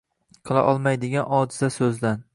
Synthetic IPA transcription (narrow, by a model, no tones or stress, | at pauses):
qʰɨlˠa̰ʔɒlˠmajd̪ɪɡʲanɒd̪ɪzasɵzd̪an